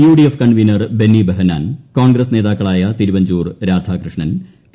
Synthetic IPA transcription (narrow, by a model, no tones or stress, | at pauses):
juːɖijefkɐɳɖʋinɐrbenːibɐɦɐnaːnkoːnɡɾɐsne̞ːðaːkːɐɭaːjɐt̪iɾuʋɐɲd͡ʑuːrɾaːd̪ʱaːkrɨʂɳɐn